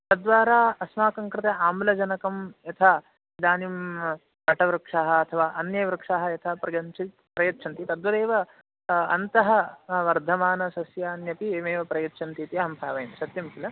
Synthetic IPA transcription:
t̪ɐd̪ʋaːɾaːɐsmaːkɐŋkɾɪt̪eaːmulɐd͡ʒɐnɐkɐmjɐt̪ʰɐ | d̪aːnim | pɐʈɐʋɾɨkʂaɦɐ̆ɐt̪ʰɐʋaːʔɐnjɐʋɾɨkʂaɦɐ̆jɐt̪ʰɐpɾɐɡɐnt͡ʃʰit̪pɾɐjɐtːt͡ʃʰɐnt̪it̪ɐd̪ʋɐd̪eːʋɐ | ɐ̰nt̪ɐɦɐʋɐɾd̪ʱɐmaːnɐsɐsjaːnjɐpieːmeːʋɐpɾɐjɐtːt͡ʃʰɐnt̪iːt̪iɐɦɐmpʰaːʋɐjnsɐt̪jɐmkilɐ

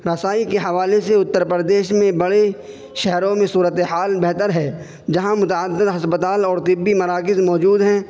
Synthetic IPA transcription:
ɾɐsaːikeɦɐʋaːleseʊt̪ːəɾpɾəd̪eːʃmẽbɐɽe | ʃɛɦɾõmẽsuːɾət̪eɦaːlbɛɦt̪əɾɦɛː | d͡ʒɐɦãmʊt̪aəd̪ːɪd̪ɦɐspət̪aːlɔːɾt̪ɪbːimɐɾaːkɪzmɔːd͡ʒuːd̪ɦɛ̃ː

